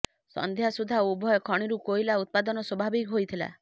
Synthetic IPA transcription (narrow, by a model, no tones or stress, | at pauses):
sɔ̰nd̪ʱjasud̪ʱaubʱɔjɔkʰɔɽ̃iɾukoilaut̪̚pad̪ɔnɔswɔbʱabikɦojt̪ʰila̰